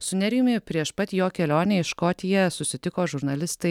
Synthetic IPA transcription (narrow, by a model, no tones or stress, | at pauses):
sʊnʲɛɾʲɪjʊmʲɪpʲɾʲiɛʃpɐt̪ʲjoːkʲɛlʲoːnʲɛɪʃkoːt̪ʲɪjɛsʊsʲɪt̪ʲɪkoːʒʊɾnɐlʲɪst̪ɐɪ